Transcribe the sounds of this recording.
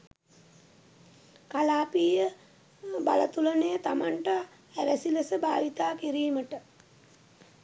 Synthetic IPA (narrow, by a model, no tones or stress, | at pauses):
kalaːpiːjə | ba̰lət̪ulənejət̪amaɳʈa | æɾæsiləsəbaːʋit̪aːkiɾiːməʈə